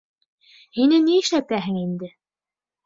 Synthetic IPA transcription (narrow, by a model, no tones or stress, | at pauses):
hinɘniɘ̆ʃæt̪æɦɘ̆ŋind̪ɘ